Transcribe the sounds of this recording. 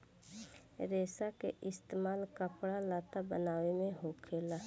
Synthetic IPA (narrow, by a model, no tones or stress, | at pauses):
ɾeːsakḛʔɪst̪eːmaːlkəpɽalaːt̪abənaːwemẽɦũːkʰeːlaː